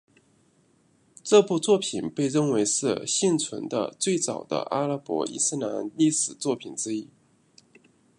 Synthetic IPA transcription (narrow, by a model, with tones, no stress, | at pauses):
ʈ͡ʂɤ˥˧pu˥˧t͡swɔ˥˩pʰi˨˩npe˥˧ɪɻə˥˩nwe˧˥ɪʂɻ̩˥˧ɕi˥˩nt͡sʰwə˧˥nd̪ə̰˧t͡swe˥˩ɪt͡sɑ̰˨˩ʊd̪ə̰˦ʔa̰˥lə˧˥pwɔ̰˧˥ʔḭ˥˩sɹ̩˥˩na˧˥nli˥˩ʂɻ̩˨˩t͡swɔ˥˩pʰi˨˩nʈ͡ʂɻ̩˥i˥